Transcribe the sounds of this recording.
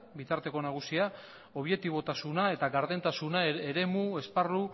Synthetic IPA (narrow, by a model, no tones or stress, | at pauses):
bit̪aɾt̪e̞ko̞naɣ̞usia | o̞β̞jek̚t̪iβ̞o̞t̪asunae̞t̪aɡaɾðe̞nt̪asunaeɾe̞mue̞sparu